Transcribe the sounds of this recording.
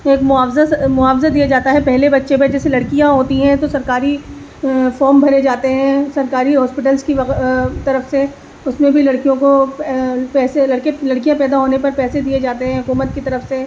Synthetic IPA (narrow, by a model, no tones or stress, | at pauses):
eːkmʊaːfzamʊaːfzad̪ijad͡ʒaːt̪aɦɛpɛɦlebɐtːʃebed͡ʒɛːselɐɽkijãɦoːt̪iɦɛ̃t̪osɐɾkaːɾi | fɔːɾmbʱɐɾed͡ʒaːt̪eɦɛ̃sɐɾkaːɾiɦɔːspɪʈəlzkiʋɐt̪ɐɾəfse | ʊsmẽbʱilɐɽkijõko | pɛːselɐɽkelɐɽkijãpɛːd̪aɦoːnepɐɾpɛːsed̪ied͡ʒaːt̪eɦɛ̃ɦʊkuːmət̪̚kit̪ɐɾəfse